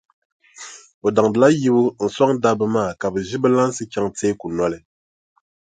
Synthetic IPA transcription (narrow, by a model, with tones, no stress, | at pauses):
o˨da˨ŋdɨ˨la˦ji˦bu˦n̩˨swa˦ŋ˦da˦bɨ˦maː˦˨ka˨bɨ˨ʒi˦bɨ˦la˦n˦sɨ˦kʲa˦ŋte˦ku˨nwa˨lɛ˨